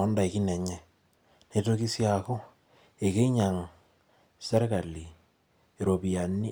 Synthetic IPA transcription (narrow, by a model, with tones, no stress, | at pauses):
ɔ˦nda˨e˨ki˦nɛ˨ɲɛ˨ | ne˦to˦ki˦sja˨ko˦ | e˨ke˦ɲa˨ŋ | sɛ˦ɾka˨li˨ | e˨ɾo˨pi˨a˨ni˦